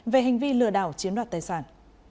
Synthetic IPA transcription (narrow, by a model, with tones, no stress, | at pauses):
ve˨˩ɦa˨˩ŋ̟vi˧lɨ̰˧˨əɗa̰ː˧˩wt͡ɕi˨˦ənɗwaː˧˨˩t̪aː˨˩jsaː˧˩n